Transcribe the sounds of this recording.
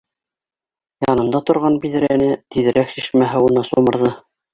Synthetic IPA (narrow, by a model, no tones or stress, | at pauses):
jɑnɤ̆nd̪ɑt̪ŏɾʁɑnbiðɘ̆ɾænɘt̪iðɘ̆ɾæksiʃmæɦɘunɑsumɤ̆ɾðɤ